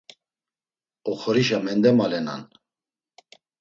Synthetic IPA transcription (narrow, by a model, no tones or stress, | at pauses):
ɔχɔɾiʃ̬amɛnd̪ɛmalɛna̰n